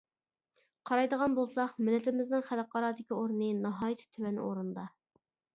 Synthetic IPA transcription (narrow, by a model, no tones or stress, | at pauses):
qʰɑɾɑjd̪əʁɑnbolˠsɑχmɪlːɪt̪ʰɪmɪznɪŋχæləqʰɑɾɑd̪ɪkʲioɾnɨnɑɦɑːjt̪ʰɪ̥t̪ʰywɛn̰o̰ɾund̪ɑ